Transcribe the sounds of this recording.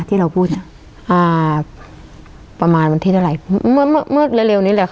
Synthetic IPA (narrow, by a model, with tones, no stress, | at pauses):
t̪ʰiː˥˩ɾa˧wpʰuː˥˩t̪̚na˧˩ | ʔaː˧˩ | pa˧maː˧nba˧nt̪ʰi˧˩a˧ɾa˨˩jm̚ː˧˥˩m˧˥˩mɤː˥˩t̪̚lɛ˧˥le˧wniː˦˥lɛ˧˩kʰ